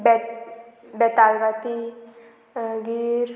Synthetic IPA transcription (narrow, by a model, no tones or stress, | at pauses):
bɛ | bɛt̪alʋat̪i | ɡiɾ